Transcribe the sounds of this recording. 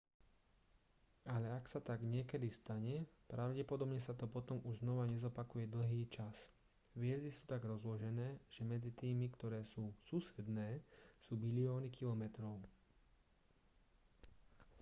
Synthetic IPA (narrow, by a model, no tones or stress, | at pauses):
alɛaksat̪aɡɲɪɛkɛd̪ist̪aɲɛpɾʔaʊɟɛpɔd̪ɔbɲɛsat̪ɔpɔt̪ɔmuʒznɔʋaɲɛzɔpakujɛd̪l̩ɦiːt͡ʃas | ʋɪɛzd̪isuːt̪aɡɾɔzlɔʒɛnɛːʒ̥ɛmɛd͡zit̪iːmikt̪ɔɾɛːsuːsuːsɛd̪nɛːsuːbiliɔːnikilɔmɛt̪ɾɔʊ